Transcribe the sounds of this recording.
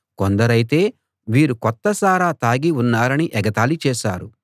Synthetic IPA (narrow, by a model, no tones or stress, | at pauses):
kond̪ɐɾɐjt̪e̞ː | ʋiːɾukɔt̪ːɐsaːɾaːt̪aːɡiunːaːɾɐniʔɛɡɐt̪aːlit͡ʃɛːʃa̰ːɾu